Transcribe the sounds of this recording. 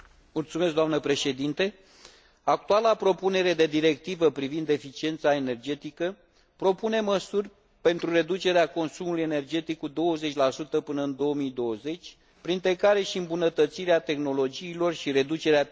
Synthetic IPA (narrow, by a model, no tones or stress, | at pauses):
mult̪sumes̬k̚ɡd̪oamnəpɾe̞ʃe̞d̪int̪e̞ | ak̚t̪ualapɾo̞pune̞ɾe̞d̪e̞d̪iɾe̞k̚t̪ivəpɾivind̪e̞fit͡ʃie̞nt̪sae̞ne̞rd͡ʒe̞t̪ikə | pɾo̞pune̞məsurʲ | pe̞nt̪ɾure̞d̪ut͡ʃe̞ɾeako̞nsumuluje̞ne̞rd͡ʒe̞t̪ikːud̪o̞wəze̞t͡ʃʲlasut̪əpɨnəɨnd̪o̞omijd̪o̞wəze̞t͡ʃʲ | pɾint̪ɾe̞kaɾe̞ʃiɨmbunət̪ət̪siɾeat̪e̞xno̞lo̞d͡ʒiːlo̞rʃiɾe̞d̪ut͡ʃe̞ɾea